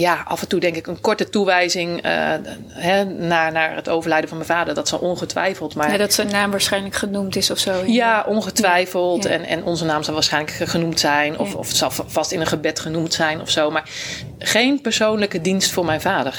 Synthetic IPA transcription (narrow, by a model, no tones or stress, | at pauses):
jaʔɑ̰fɛntudɛŋkɪkənkɔɹtətuʋɛjzɪŋə̰ | ɦɛnaːɹnaːɹətowvəɹlɛjdənvɑnmɛjnvaːdəɹdɑtsɑlˠɔnχətʋɛ̰jfəlˠtmaːɹɛdɔtsənːaːmʋaːɹsχɛjnləkχənumtɪsɔfsowjaʔɔnχətʋɛjfəlˠtɛ̰nɛ̰nʔɔnzənaːmzɑlˠʋaːɹsχɛjnləkχənumtsɛjnɔ̰fɔ̰fsɑlˠv̥ɑstɪnənχəbɛtχənumtsɛjnɔ̰fsowmaːɹ | χejnpəɹsownləkədinstfʊːɹmɛjnvaːdəɹ